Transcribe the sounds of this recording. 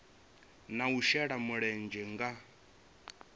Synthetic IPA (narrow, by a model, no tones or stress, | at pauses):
nauʃɛɺamuɺɛnd͡ʒɛŋɡa